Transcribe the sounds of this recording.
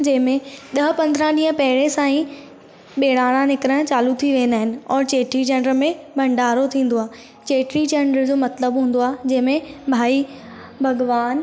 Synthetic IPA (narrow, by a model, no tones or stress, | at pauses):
d͡ʑɐ̃ɦɪ̃mẽɗ̪ɐɦpɐ̃nd̪ɾãɗiːɦə̃pɐɦɪɽesãːĩ | ɓeːɽaːɽ̃ãnɪkɾə̃t͡ɕaːlut̪ʰiʋẽːnd̪aːɦɪnɪ̆ɔːɾt͡ɕeːʈɾid͡ʑɐ̃ɳɖəɾmẽbʱɐ̃ɳɖaːɾot̪ʰĩːn̆d̪oaː | t͡ɕeːʈɾid͡ʑeɳɖəɾd͡ʑoːmɐt̪ləbɦũːn̆d̪oaːd͡ʑɐ̃ɦɪ̃mẽbʱaːi | bʱɐɡʋaːn